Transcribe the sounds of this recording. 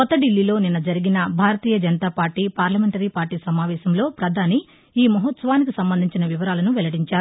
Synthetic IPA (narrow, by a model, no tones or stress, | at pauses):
kɔt̪ːɐɖilːilo̞ːninːɐd͡ʒɐɾiɡinɐbʱaːɾɐt̪iːjɐd͡ʒɐnɐt̪aːpaːɾʈːiːpaːɾlɐmeɳʈɐɾiːpaːɾʈiːsɐmaːʋɛːʃɐmlo̞ːpɾɐd̪ʱaːni | iːmɐɦɐt̪sɐʋaːnik̬isɐmbɐnd̪ʱiɲt͡ʃinɐʋiʋɐɾaːlɐnuʋɛlɐɽiɲt͡ʃaːɾu